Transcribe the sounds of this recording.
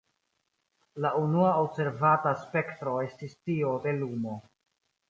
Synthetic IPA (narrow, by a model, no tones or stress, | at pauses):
launuaobse̞ɾvataspe̞ktɾo̞e̞stistio̞de̞lumo̞